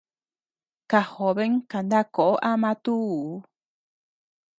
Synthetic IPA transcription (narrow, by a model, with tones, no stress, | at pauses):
ka˨ho˨βe˦ŋka˨nd̪a˦ko˨ʔo˦ʔa˦mã˧t̪u˦˧˦